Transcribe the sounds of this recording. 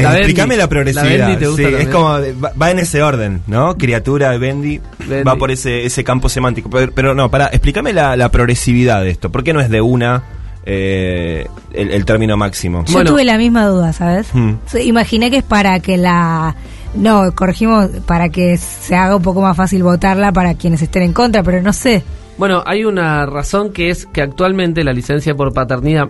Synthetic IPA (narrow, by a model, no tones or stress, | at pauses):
eslikamelapɾoɣɾeiβiðait̪eɣusiesskomoeβabaene̞seo̞ɾðe̞nːokɾiat̪uɾaeβend̪i | bapo̞ɾeseesekampo̞semãnt̪ikopepeɾono̞paɾaʔehplikamelalapɾo̞ɣɾesiβiðaðest̪o̞poɾke̞noe̞zðeuna | e | ḛḛlt̪eɾmĩno̞maksimo̞̰ʃwoenuβelamizmaðuðasaβessimaxinekespaɾakela | no̞koreximo̞spaɾakeː | eaɣaump̬o̞k̬omasfasilβo̞t̪aɾlap̬aɾakje̞ne̞s̬est̪ene̞ŋko̞nt̪ɾape̞ɾo̞no̞se | bwe̞noʔajunaraso̞ŋkeeskeak̚t̪walmẽnt̪e̞lalisensjap̬o̞ɾpat̪eɾniða